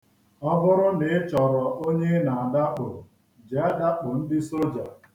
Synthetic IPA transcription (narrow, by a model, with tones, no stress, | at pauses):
ɔ˦bʊ˦ɾʊ˦nɪ˨˦t͡ʃɔ˨ɾɔ˨ʔo˦ɲe˦na˨a˨da˦k͡pʊ̰˨ | d͡ʒɛ˨˦da˦k͡pʊ˨n̩˦dɪ˦so˦d͡ʒa˨